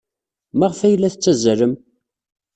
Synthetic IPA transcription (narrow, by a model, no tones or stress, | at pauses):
maʁfæjlːæθət͡sːæzɾəm